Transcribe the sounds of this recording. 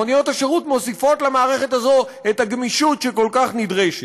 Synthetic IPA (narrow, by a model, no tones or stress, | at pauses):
onijo̞t̪aʃeʁut̪mo̞sifo̞t̪lamaːʁe̞χe̞t̪azo̞ | et̪aɡmiʃutʃeko̞lkaχnid̪ʁeʃ